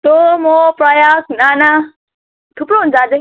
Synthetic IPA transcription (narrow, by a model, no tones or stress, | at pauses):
t̪omopɾʌjaknana | t̪ʰupɾoɦund͡zad͡zʌ